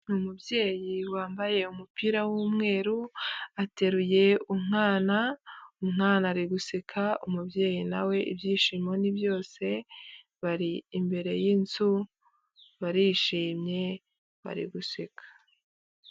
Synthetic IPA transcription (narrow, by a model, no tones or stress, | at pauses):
umubje̞ːjiwaːmbaje̞umupiːɾawuːmŋe̞ːɾuate̞ɾuje̞umŋaːnaumŋaːnaɾiɡusekʰaumubje̞ːjina̰we̞ʔḭbjiːʃiːmo̞nibjo̞ːse̞ | βaɾiːmbe̞ɾe̞̰jinzu | βaɾiːʃiːmɲe̞ | βa̰ɾḭɡusekʰḁ